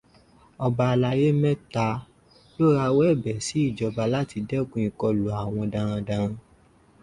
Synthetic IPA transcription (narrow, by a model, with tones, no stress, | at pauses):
ɔ˧ba˧la˧je˦mɛ̃˦ta˧ | lo˦ɾa˧wɛ˦˨bɛ˨si˨˦i˦˨d͡ʒɔ˨˧ba˧la˦ti˧dɛ˦kũ˦ĩ˧kɔ˧lo˨a˨w̃ɔ̃˧dã˧ɾ̃ã˧dã˧ɾ̃ã˧